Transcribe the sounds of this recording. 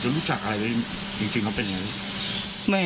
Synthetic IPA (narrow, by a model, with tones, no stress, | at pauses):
t͡ɕo˦˥nɾuː˦˥t͡ɕa˨˩k̚ʔa˧a˧jwa˦˥ | t͡ɕi˧ŋt͡ɕi˧ŋka˦˥wpe˧nja˧ŋa˦j | ma˥˩